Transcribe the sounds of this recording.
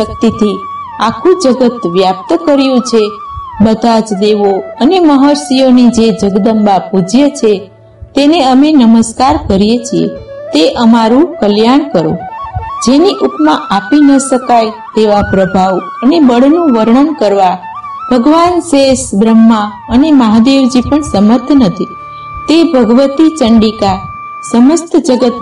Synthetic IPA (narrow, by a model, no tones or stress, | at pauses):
ək̚t̪it̪ʰi | akʰũd͡ʒəɡət̪ʋjap̚t̪kəɾjũt͡ʃʰe | bəd̪ʱad͡ʒd̪eʋoəneməɦəɾsijonid͡ʒed͡ʒəɡd̪əmbapud͡ʒjət͡ʃʰe | t̪eneəmenəməskaɾkəɾijet͡ʃʰiḛt̪eʔəmaɾũkəljaɳkəɾõ̰d͡ʒeniʔukʰmãʔapinəʃəkajt̪eʋapɾəbʱaʋ | ənebəɽnũʋəɾɳəmkəɾʋa | b̥ʱəɡʋansesbɾəmːa | əneməɦad̪eʋd͡ʒipəɳsəməɾt̪ʰnət̪ʰi | t̪ebʱəɡʋət̪it͡ʃəɳɖika | səməst̪d͡ʒəɡət̪